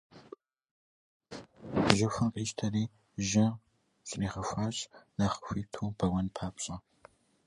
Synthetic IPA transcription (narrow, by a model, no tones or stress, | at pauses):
ʒɐxʷɐnqʼiːʃtʰɐɾiː | ʒɪ | ɕʼniːχɐxʷaːɕʼnaχə̥xʷiːtʰuːbʰɐwɐnpʰaːpɕʼɐ